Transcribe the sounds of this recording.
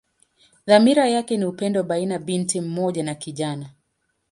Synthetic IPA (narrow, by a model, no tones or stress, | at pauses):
ðamiɾajakɛniupɛndɔɓainaɓintim̩mɔʄanakiʄana